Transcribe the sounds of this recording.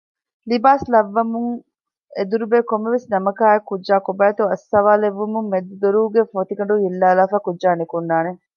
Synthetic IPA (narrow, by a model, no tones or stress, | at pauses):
libaːslɐʋːɐmuŋ | ed̪uɾubeːkomːeʋesnɐmɐkaːekudʒaːkobæːt̪uɐsːɐʋaːleʋːumummed̪ud̪oɾuːɡefot̪iɡɐɳɖuɦilːaːlaːfæːkudd͡ʒaːnekund̪aːne